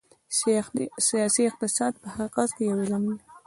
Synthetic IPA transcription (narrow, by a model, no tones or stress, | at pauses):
sijɑsiɪq̚t̪ɪsɑd̪̚pəhaɣqɑzkejawelamni